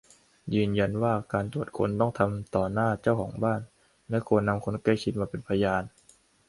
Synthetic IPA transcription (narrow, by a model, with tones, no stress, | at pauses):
jɯː˧nja˧nwaː˥˩kaː˧nt̪u˨˩ət̪̚kʰo̰˧nt̪ɔ˥˩ŋt̪ʰa˧mt̪ɔː˨˩naː˥˩t͡ɕa˥˩wkʰɔː˩˦ŋbaː˥˩n | lɛ˦˥kʰo˧nːa˧mkʰo˧nka˥˩jkʰi˦˥t̪̚maː˧pe˧npʰa˧jaː˧n